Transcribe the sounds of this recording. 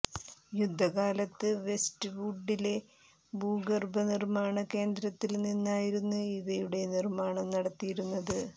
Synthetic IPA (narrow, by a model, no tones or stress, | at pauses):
jud̪ʱːɐɣaːlɐt̪ːɨʋe̞stɨbuɖːile̞ | bʱuːɡɐrbɐnirmaːɳɐke̞ːnd̪ɾɐt̪ːilninːaːjiɾunːuiʋɐjuɽe̞nirmaːɳɐmnɐɽɐt̪ːijiɾunːɐðɨ